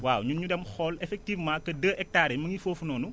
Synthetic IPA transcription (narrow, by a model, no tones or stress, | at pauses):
waːwɲuɲudɛmxɔlɛfɛk̚tiːvmaːkːɐdəːʔɛk̚taːɾɛmɐŋifoːfunɔːnu